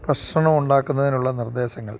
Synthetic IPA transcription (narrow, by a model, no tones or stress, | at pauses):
prɐɕɳɐɳɐmuɳɖaːkːunːɐðinuɭːɐnird̪e̞ːɕɐŋːɐ̰ɭ